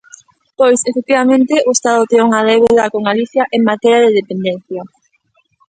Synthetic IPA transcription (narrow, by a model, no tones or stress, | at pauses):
pojsefek̚t̪iβamẽnt̪eʔoest̪aðʊt̪eŋuŋaðeβeðakoŋɡaliθjaʔeŋmat̪ɛɾjaðeðepend̪en̟θja